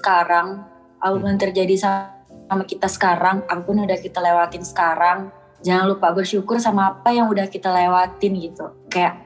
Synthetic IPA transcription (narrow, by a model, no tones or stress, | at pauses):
əkaɾaŋ | ʔapapʊnt̪ərd͡ʒadisamakit̪asə̥kaɾaŋapapʊnudahkit̪alewat̪ɪnsə̥kaɾaŋ | d͡ʒaŋanlupabərʃukʊrsamaːpajaŋudahkit̪alewat̪ɪnɡit̪ukajaʔ